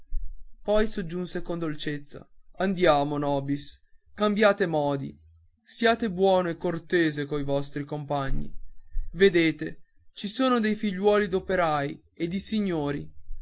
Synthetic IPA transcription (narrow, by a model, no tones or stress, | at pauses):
pɔjsod͡ʒːunsekond̪olt͡ʃet̪sːa̰and̪jaːmonɔːbiskambjaːt̪emɔːd̪ḭ | sjaːt̪ebwɔːnoekːort̪eːzekojvɔst̪ɾikompaɲːḭved̪eːt̪e | t͡ʃisoːnod̪ejfiʎːwɔːlid̪opeɾaːj | ed̪isiɲːoːɾi